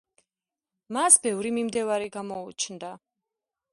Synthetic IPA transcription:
masbɛvɾimimd̪ɛvaɾiɡamɔut͡ʃʰnd̪a

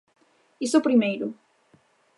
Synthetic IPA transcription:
isopɾimejɾʊ

